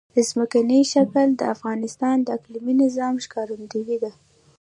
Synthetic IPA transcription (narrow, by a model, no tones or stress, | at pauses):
d̪̥əzməkaniʃakald̪əafɣɑnɪst̪ɑnd̪əakliminɪzɑmʃkɑɾund̪awid̪a